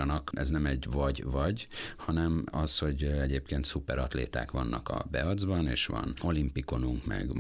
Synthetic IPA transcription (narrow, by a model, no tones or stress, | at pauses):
nɒkʔɛznɛmɛɟvɒɟvɒɟhɒnɛmɒsho̞ɟɛɟeːpkeːnt̪supɛɾɒt̪lḛːt̪a̰ːkʋɒnːɒkɒ̰bɛɒd̪zbɒneːʃʋɒ̰no̞limpiko̞nuŋkmɛ̰ɡ